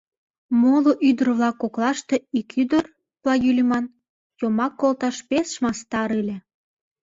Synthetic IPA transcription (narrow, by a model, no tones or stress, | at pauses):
moloʔyd̪ərβlɑkːoklɑʃt̪eikʰyd̪ər | plɑjylʲimɑn | jomɑkːolt̪ɑʃpesʃmɑst̪ɑɾilʲe